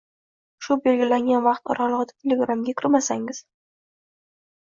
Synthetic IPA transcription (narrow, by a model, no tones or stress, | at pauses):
ʃʊbe̞lɡʲɪlaŋɡʲanvɑqt̪ɒ̰ɾɑlˠɨʁɨd̪ḁt̪ʰelʲeɡɾamɡʲakʲʰɪɾmasaŋɪz̥